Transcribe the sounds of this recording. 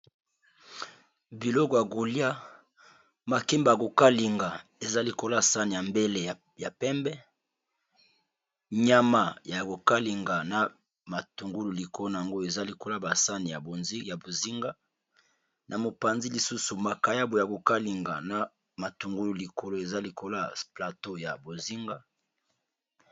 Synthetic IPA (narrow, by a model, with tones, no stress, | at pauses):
bi˨lo˦kɔ˨ja˨ɡu˨li˦a˦ | ma˨ke˦mba˨ko˨ka˦li˨ŋɡa˨e˨za˦li˨ko˦lsa˦ni˨ja˨mbe˦le˦˨ | ja˨pɛ˦mbɛ˦ | ɲa˦ma˨ja˨ko˨ka˦li˨ŋɡa˨na˨ | ma˨tu˨ŋɡu˦lu˨li˨ko˨lo˦n˨a˨ŋɡo˦e˨za˦li˨ko˦la˦ba˨sa˦ni˨ja˨bo˨nzi˦ja˨bo˨zi˦ŋɡa˦ | nʔa˨mo˨pa˨nzi˦li˨su˦su˨ma˨ka˨ja˦bo˨ja˨ko˨ka˦li˨ŋɡa˨na˨ | ma˨tu˨ŋɡu˦lu˨li˨ko˨lo˦e˨za˦li˨kʰo˦la˦pla˨to˦ja˨bo˨zi˦ŋɡa˦